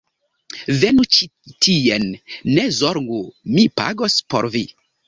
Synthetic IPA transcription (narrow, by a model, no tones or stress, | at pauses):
venut͡ʃitʰienːezoɾŋɡumipa̰ɡospo̰ɾvi